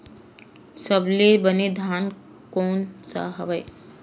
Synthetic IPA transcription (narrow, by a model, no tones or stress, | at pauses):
səblebəned̪ʱaːn | koːnsa̰ɦɐʋəj